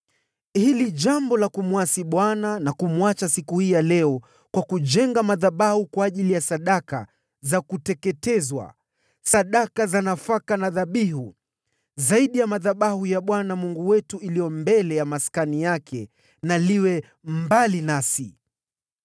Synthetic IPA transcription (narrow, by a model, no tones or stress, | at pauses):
hiliʄambɔlakumwasiɓwananakumwat͡ʃasikuhijalɛɔ | kwakuʄɛŋɡamaðaɓahukwaːʄilijasaɗaka | zakutɛkɛtɛzwa̰ | saɗakazanafakanaðaɓiɦu | zaiɗijamaðaɓahujaɓwanamuŋɡuwɛtuilijɔmbɛlɛjamaskanijakʰɛ | naliwɛ | mbalinasi